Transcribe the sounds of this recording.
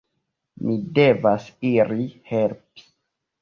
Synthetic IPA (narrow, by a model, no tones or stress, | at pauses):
mide̞vasiɾihelpi̥